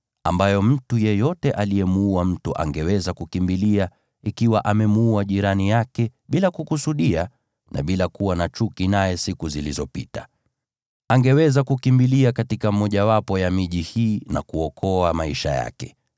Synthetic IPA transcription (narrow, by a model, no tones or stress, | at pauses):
ambajɔm̩tujɛjɔtɛʔalijɛmuam̩tuʔa̰ŋɡɛwɛzakukimbilia | ikiwaʔamɛmuuaʄiɾanijakɛɓilakukusuɗia | na̰ɓilakuwanat͡ʃukinajɛsikuzilizɔpitḁ | aŋɡɛwɛzakukimbiliakatikamɔʄawapɔjamiʄihiːna̰kuɔkʰɔamaiʃa̰ja̰kɛ̥